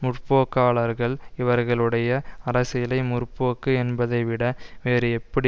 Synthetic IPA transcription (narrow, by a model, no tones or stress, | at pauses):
mʊrpoːkːaːɭɐɾɣɐɭɪʋɐɾɣɐɭɯɽɐjɐɐɾɐsɪjɪlɐɪmʊrpːoːkːɯɛnbɐðɐɪʋɪɽɐʋeːɾɯɛpːɐɽi